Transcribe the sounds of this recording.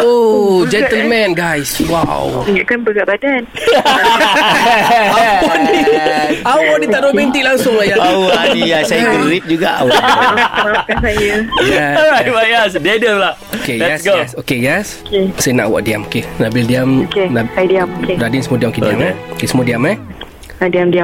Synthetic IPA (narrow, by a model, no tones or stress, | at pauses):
od͡ʒɛnt̪əlmɛ̃nɡajswa̰wiŋaʔkanbəɡaʔbadan | ɔn | awɔdit̪aʔdɔmɛ̃nt̪iʔlaŋsʊŋajjaadijasajɾip̚d͡ʒuɡaʔ | akansajəjɛɔɹajtwajɛsdiajdiamlaʔokedɛɛsɡosokejɛskesanaʔwa̰ʔdiamokenaʔbildiamokenaajdiamokedadinsəmodiamokediamaokesəmodiama | adiamdia